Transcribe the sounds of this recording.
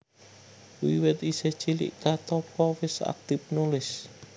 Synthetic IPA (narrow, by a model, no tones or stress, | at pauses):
wḭwɪt̪isɛ̥t͡ʃilɪ̰ʔkat̪ɔpɔwɪsa̰k̚t̪ɪp̚nulɪs